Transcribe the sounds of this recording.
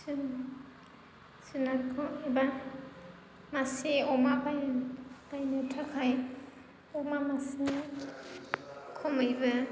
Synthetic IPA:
sun | sunaɾkʰɔeba | masiɔmabajbajnɯtʰakʰaj | ɔmamasi | kʰɔmɯjbɯ

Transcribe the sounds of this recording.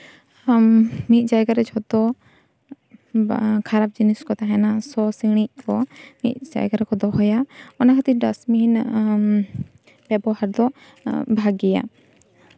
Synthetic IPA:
hamːit̪̚ˀd͡ʒajɡaɾɛd͡ʒʰɔd̪ɔ | kʰaɾap̚d͡ʒiniskɔt̪aɦɛnasɔsiɽ̃ic̚kɔmit̪̚d͡ʒa̰jɡaɾɛkɔd̪ɔhɔjaɔnakʰat̪iɖasmin | b̥ɛbɔhaɾd̪ɔ | bʱaɡɛja̰

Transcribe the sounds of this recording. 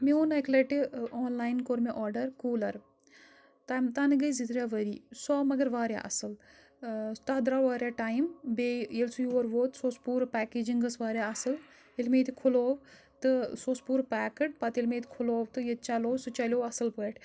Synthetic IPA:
meunaklɐʈiɔːnlaːjnkoɾmeʔɔːɾɖɐɾkuːlɐɾ | t̪amt̪anɨɡɐzit̪ɾʲjaːʋɐɾiːsɔːmɐɡɐɾʋaːɾja̰ʔɐ̰sɨl | t̪ad̪ɾaʋaːɾʲjaːʈaːjmbejelsujuʋɐɾʋoːt̪soːspuːɾpaːkeːd͡ʒiŋɡɐsʋaːɾʲjaɐsɨl | ilʲmeːt̪ʲikʰuloːw | t̪ɨsoːspuːɾpaːkəʈ̚pɐt̪ilʲmeːt̪kʰuloːʋt̪ɨjet̪̚t͡ʃɐloːwsɨt͡ʃɐlʲoːɐsɨlpɐʈʰ

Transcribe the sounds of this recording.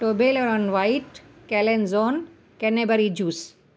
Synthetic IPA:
ʈobelɔɾɔnʋaiʈkɛlenzon | kɛnebəɾid͡ʒuːs

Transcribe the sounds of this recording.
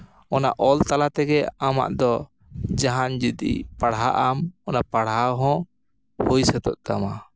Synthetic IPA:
ɔna̰ʔɔlt̪alat̪ɛɡɛama̰ʔd̪ɔ | d͡ʒaɦand͡ʒid̪ḭpaɽaʔamɔnapaɽɦaɦɔ̃ | hujsɛt̪ɔ̰ʔ̚d̪ama

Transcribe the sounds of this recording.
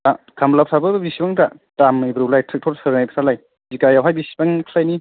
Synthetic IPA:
a | kʰamlap̚sʰabɯbbisibaŋtatamːɯjbɾɯwlajtʰɯk̚tʰɔɾsɯɾnajpʰsalaj | zikajawɦajbisi̥baŋkʰlajni

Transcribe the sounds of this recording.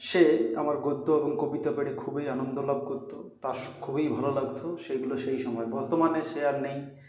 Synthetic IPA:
ʃea̰maɾɡod̪ʱːoeboŋkobit̪apeɽekʰubejanond̪olab̚kod̪ʱot̪aʃkʰubejbʱalolaɡt̪ʰoʃeɡuloʃejʃɔmɔebɔɾt̪omaneʃeaɾnej

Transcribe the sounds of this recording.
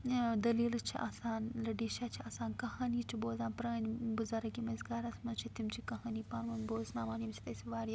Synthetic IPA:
d̪ɐliːlt͡ʃʰiʔɐsaːnlɐɖiːʃat͡ʃʰiɐsaːnkɐɦaːnit͡ʃʰiboːzãːnpɾɐːnbuzɐɾɐkimɐzɡaːɾɐsmɐt͡ʃʰit̪ʰimt͡ʃʰikɐɦaːnipaːɾmɐnboːznaːmaːnimt͡ʃʰi̥t̪ɐsiʋaːɾja

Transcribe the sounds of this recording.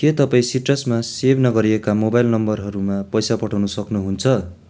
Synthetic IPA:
ket̪ʌpaĩsiʈʌsmasebnʌɡʌɾiekamobajlnʌmbʌrɦʌɾumapʌjsapʌʈʰawnusʌknuɦunt͡sʰʌ

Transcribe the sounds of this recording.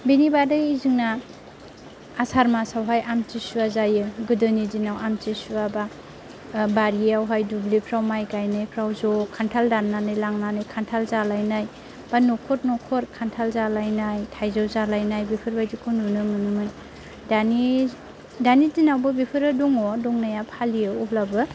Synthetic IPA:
binibadɯjiziŋna | saɾmasawɦajamt͡ʃisuazajɯɡɯdɯnizinawamt͡ʃisuaba | baɾiawɦajdublipʰɾawmajɡajnɯjpʰɾawzɔkʰantʰaldanːanɯjlaŋnanɯjkʰantʰalzalajnaj | b̥anɔkʰɔt̚nɔkʰɔɾkʰantʰalzalajnajtʰajzɔwzalajnajbipʰɯɾbajdikʰununɯmɯnɯmɯn | dani | danidinawbɯbipʰɯɾɯdɔŋɔdɔŋnajapʰalijɯublabɯ

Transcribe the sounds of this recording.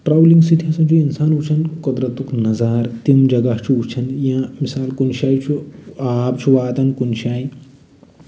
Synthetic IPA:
ʈɾaːʋliŋɡsiʈʰiɐsɐ̃d͡ʒuinsaːnut͡ʃʰɐnkɔd̪ɾɐt̪uknɐzaːɾt̪imd͡ʒɐɡɐht͡ʃʰuut͡ʃʰɐnjãːmisaːlkunʃaːjit͡ʃʰuaːbt͡ʃʰuʋaːd̪ɐnkunʃaːji

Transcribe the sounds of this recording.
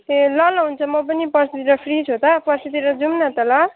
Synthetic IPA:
lʌlʌɦunt͡sʰʌmʌp̬ʌnipʌrst̪it̪iɾʌpʰrid͡zʰot̪ʌpʌrst̪it̪iɾʌd͡zumnat̪ʌla

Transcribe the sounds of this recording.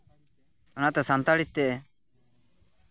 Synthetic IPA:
ɔnat̪ɛsant̪aɽit̪̚t̪ːɛʔɛ

